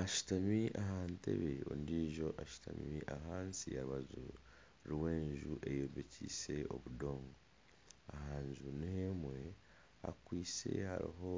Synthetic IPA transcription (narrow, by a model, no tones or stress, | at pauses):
aʃu̥tamiʔaɦaːnte̞̰βe̞o̰ndiːʒo̞ʔaʃu̥tamiiʔaɦaːnsiaɾuβazṵ | ɾwe̞ːɲʒuʔe̞joːbecise̞o̞̰βudo̞ːŋɡo | ahaːɲʒuneemwe̞ | a̰kwiːse̞̰ha̰ɾḭɦo̞